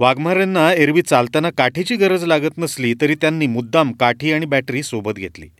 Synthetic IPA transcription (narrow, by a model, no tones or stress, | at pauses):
ʋaɡm̤aɾenːaeɾʋiːt̪̚t͡salt̪anakaʈʰit͡ɕiːɡəɾəd͡zlaɡət̪nəsliːt̪əɾiːt̪janːiːmud̪ːamkaʈʰiːaɽ̃ibæʈɾiːsobət̪ɡʱet̪lḭː